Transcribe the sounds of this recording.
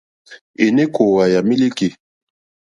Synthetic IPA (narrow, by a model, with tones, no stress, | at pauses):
e˨ne˦ko˨wa˨ja˨mi˦li˦ke˨